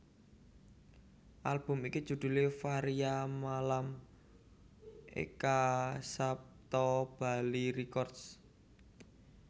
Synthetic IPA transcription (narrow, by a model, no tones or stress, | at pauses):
ʔalb̥ʊ̤mikid͡ʒ̥ṳd̪̥ṳlefaɾiamalam | ḛkasap̚t̪ɔb̥a̤liɾikɔrds